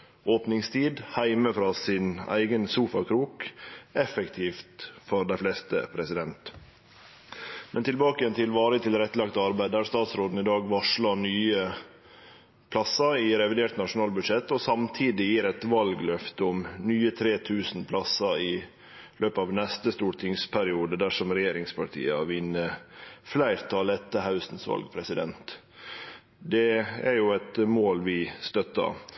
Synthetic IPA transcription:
ʔoːpnɪŋst̪ʰiːd̪hæɪməfɾɑːsɪnæ̰ɪɡənsuːfɑkʰɾuːkɛfəkt̪ʰiːft̪fɔɾd̪æɪflɛst̪ə̰pʰɾɛsɪd̪ɛnt̪ | mʔɛnt̪ɪlbɑːkəjɛnt̪ʰɪlʋɑːɾət̪ɪlɾɛt̪ːəlɑkt̪ɑɾbæɪd̪æɾst̪ɑːt̪sɾoːd̪n̩ɪd̪ɑːɡʋɑʂɭɑɳyːə | pʰlɑsɑɪɾɛʋɪd̪eːʈ̪nɑʂʊnɑːlbʉd̪ʂɛt̪ːɔsɑmt̪ʰiːd̪ɪjiːɾɛt̪ʋɑlɡlœft̪əɔmnyːət̪ʰɾeːt̪ʰʉːsn̩pʰlɑsːɑɪ | lʔøːpəɑːʋnɛst̪əst̪uːɾʈʰɪŋspʰæɾɪuːd̪əd̪æʂɔmɾɛjeːɾɪŋspʰɑʈʰḭːəʋɪnːəflæɪɾt̪ʰɑlɛt̪ːəɦɑʉsnsʋɑ̰lɡpʰɾɛsɪd̪ɛ̰nt̪ | d̪ɛæɾjʊæt̪moːlʋɪst̪œt̪ːɑ̰

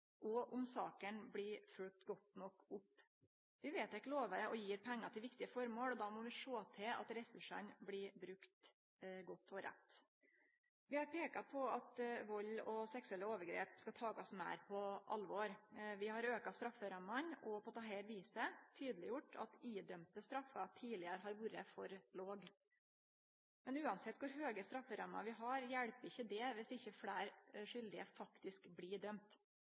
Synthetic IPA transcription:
ʔɔʔʊmsɑːkənbɽɪfʉl̚t̪ɡɔt̪nɔkːʊpː | ʋɪʋeːt̪ɛkloːʋəʔɔjiːɾpʰɛŋːɑt̪ʰɛlʋɪkt̪ɪəfɔɾmoːlɔd̪ɑːmɔʋɪʂoːt̪ʰɪɑ̰t̪ɾɛsʉʂə̰nblɪbɾʉkt̪ | ɡɔt̪ːʰɔɾʔɛ̰t̪ː | ʋɪhɑɾpʰeːkɑpʰɔɑt̪ʋɔlːɔsɛksʉɛlːəoːʋəɾɡɾḛːpskɑt̪ʰɑːɡɑsmæ̰ɪɾpʰɔʔɑlʋɔːɾʋɪhɑɾøːkɑst̪ɾɑfːəɾɑmːɑnɔpɔt̪ʰːɑːɦɛɪlʋiːsət̪ʰyːd̪əlɪjʊʈːɑ̰t̪iːd̪œmt̪əst̪ɾɑfːɑt̪ʰiːlɪəɾəɦɑɾʋuːɾəfɔɾloːɡ | mɛnʉːɑnsɛt̪ːkʊɾɦøːɡəst̪ɾɑfːəɾɑmːɑ̰ʋɪɦɑːɾjæɽpəɪçːəd̪ɛʋɪsɪçːəfɽæːɾʂʏld̪ɪəfɑkt̪ɪskbliːɖœmt̪

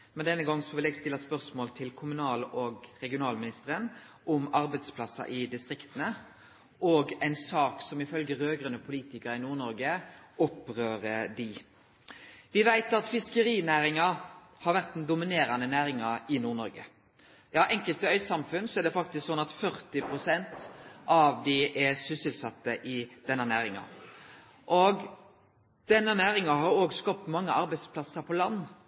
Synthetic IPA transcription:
mɛnd̪ɛnːəɡɑŋːsɔʋɪlɛːɡst̪ɪlːɑspœʁsmoːlt̪ʰɪlkʰʊmʉnɑːlɔɡɾɛɡɪʊnɑːlmɪnɪst̪əɾən | ʔɔmɑɾbæɪd̪spʰlɑsːɑ̰ʔɪd̪ɪst̪ʁɪkt̪ənə | ʔɔɡæɪnsɑːksɔmɪfœlɡəɾøːɡʁənːəpʰʊliːt̪ɪkəɾɪnuːʁnɔɾɡəʔɔpːʁøːɾəd̪ɪ | ʋɪʋæɪt̪ɑt̪fɪskəɾiːnæːɾɪŋɑ | hɑɾʋæʁt̪nd̪ʊmɪneːɾɑnənæːɾɪŋɑɪnuːʁnɔɾɡə | jɑːʔɛŋkəlt̪əœʏsɑmfʉnsɔɛd̪ɛfɑk̚t̪ɪsksɔnːɑt̪fœʁt̪ɪpʰɾʊsɛnt̪ʔɑʋd̪ɪʔɛsʏsəlsɑt̪ːəʔɪd̪̥ɛnːənæːɾɪŋɑ̰ | ʔɔɡ | d̪̥ɛnːənæːɾɪŋɑɦɑɾoːɡskɑp̚t̪mɑŋːəɑɾbæɪspʰlɑsəɾpʰɔlɑnː

